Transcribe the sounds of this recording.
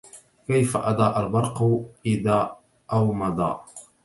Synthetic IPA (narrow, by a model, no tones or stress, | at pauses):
kajfa̰ʔɑd̪ˤɑːʔalbɑɾˤqʊʔɪðaː | ʔawmɑd̪ˤɑ̰ː